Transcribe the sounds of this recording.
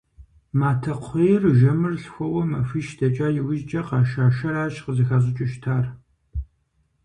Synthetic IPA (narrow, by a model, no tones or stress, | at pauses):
maːtʰɐqʷʰejrʒɐmɨrɬxʷɔwɔmɐfiʃdɐt͡ʃʼaːjɪwɪʒt͡ʃʼɐqɑːʃaːʃɐɾaːʃqəzɐxaːɕ̬ʼɪt͡ʃʼɪʃtʰaːr